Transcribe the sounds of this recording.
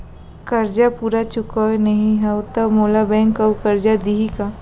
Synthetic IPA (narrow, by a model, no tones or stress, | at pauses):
kɐɾd͡ʒapuːɾat͡ʃʊkɔnɐɦĩɦɐt̪ɐmoːlabɛ̃ːŋkɐkɐɾd͡ʒad̪iɦika